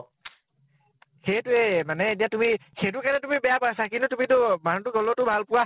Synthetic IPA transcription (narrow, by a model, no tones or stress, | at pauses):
xejtuɛmanɛet̬ijatumixejtʊkanɛtumibɛjapasakintutumitʊmanɔntuɡɔlɔtʊbʱalpʊwa